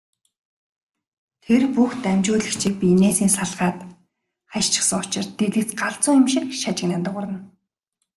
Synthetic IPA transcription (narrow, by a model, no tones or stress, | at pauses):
t̪ʰerpuxt̪æmʲt͡ɕʊːɮɘ̆xkt͡ɕʰiːpʲineːsiːnsaɮʁaːt̪ | χaʃt͡ɕɪ̥̆χsə̆ŋʊt͡ɕɪ̆r̥t̪ːeɮɘ̆kt͡sɢaɬt͡suːŋɪmʃɪ̆kʃat͡ɕɪ̆knant̪ə̆ʁʊɾə̆n